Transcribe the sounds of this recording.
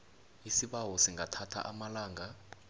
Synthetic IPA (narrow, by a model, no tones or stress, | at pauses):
isiɓawɔsiŋɡʱatʰatʰa̰ʔamalaːŋʱa